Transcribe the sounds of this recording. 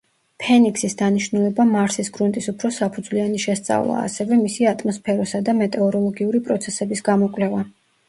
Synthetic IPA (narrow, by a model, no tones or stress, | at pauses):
pʰɛnikʰsisd̪aniʃnulɛbamaɾsisɡɾunt̪ʼisupʰɾɔsapʰud̪zwlianiʃɛst̪sʼa̰vlˠa̰ːsɛvɛmisiat̪ʼmɔspʰɛɾɔsad̪amɛt̪ʼɛɔɾɔlˠɔɡiuɾipʼɾɔt̪sʰɛsɛbisɡamɔkʼlɛva